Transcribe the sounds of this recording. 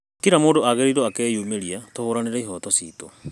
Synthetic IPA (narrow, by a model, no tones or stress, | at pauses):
ttiɾamoːndoaɣeɾiɾoakɛːjuːmeɾiatohoːɾaneɾaiɦɔtɔsḭto̰